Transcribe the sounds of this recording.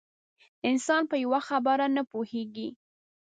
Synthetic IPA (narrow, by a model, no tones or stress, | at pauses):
ɪnsɑnpəjawaxabaɾanapoheɡi